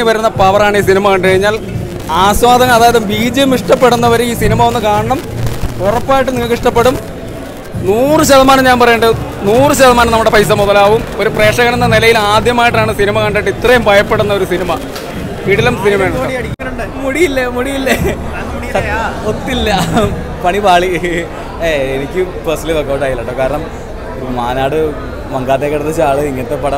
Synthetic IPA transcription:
ɨʋɐɾunːɐpɐʋɐraːɳɨiːs̬inimɐkɐɳɖɨkɐɻiɲːaːl | aːswaːd̪ɐŋɐɐðaːjɐðɨmbiːd͡ʑɐjumiʂʈɐpːe̞ɽunːɐʋɐɾiːsinimɐonːɨkaːɳɐɳɐmurɐpːaːjiʈːɨnikiʂʈɐpːeɽum | nuːrɨɕɐðɐmaːnɐmɲaːnpɐrɐjeɳɖɨ | nuːrɨɕɐðɐmaːnɐmnɐmːuɽe̞pɐjs̬ɐmuðɐlaːʋumo̞ɾupre̞ːʂɐɣɐnenːɐnilɐjilaːd̪jɐmaːjiʈːaːɳɨsinimɐkɐɳɖɐːɳɖit̪rɐjumbʱɐjɐpːe̞ɽunːɐo̞ɾusinimɐ | ʋiːɽilɐmsinimɐeːɳɐɽiuɳɖmuɽijilːɐmuɽijilːɐ | ot̪ːilːɐ | pɐɳibaːɭi | eenikʲːɨpɐrsliʋɐkːɐwʈaːjilːɐʈːɐkaːɾɐɳɐm | umaːnaːɽɨ | mɐŋɡaːt̪ːekːɐɽut̪ːit͡ɕːuaːɭɨiŋːɐnɐt̪ːepɐɽɐ

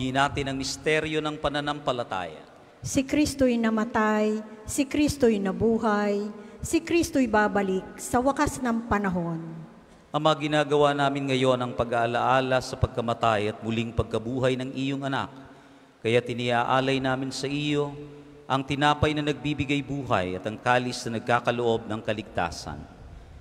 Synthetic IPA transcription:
inaːt̪ɪnɐŋmɪst̪ɛɾjo̞nɐŋpɐnɐnampɐlɐt̪a̰ːjɐ̰ | sɪkɾist̪ojnɐmɐt̪aj | sɪkɾist̪ojnɐbuːɦajsɪkɾist̪oɪbaːbɐlɪk̚sɐwɐkasnɐŋpɐnɐɦo̞n | ʔɐmɐɐɡɪnaːɡɐwaːnaːmɪnŋɐjo̞nɐŋpɐɡaʔɐlɐʔaːlɐsɐpɐɡ̚kɐmɐt̪ajɐt̪̚mʊliŋpɐɡ̚kɐbuːɦɐjnɐŋʔijoŋɐna̰k̚ | kɐjat̪ɪniaʔaːlɐjnaːmɪnsɐʔijo̞ | ʔɐŋt̪ɪnaːpɐjnɐnɐɡ̚bibɪɡajbuːɦɐ̰jɐt̪ɐŋkaːlɪsnɐnɐɡ̚kaːkɐloʔo̞b̚nɐŋkɐlɪɡ̚t̪a̰ːsɐ̰n

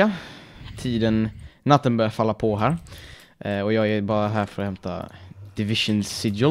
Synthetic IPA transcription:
at̪ʰiːd̪ənːat̪ːənbœːɾjafalːapʰɔɦæːɾ | ʔɔjɑːɡæbɑːɾaɦæːɾfœɾɔhɛmt̪a̰d̪̥ɪvɪʂənsɪd̪jə

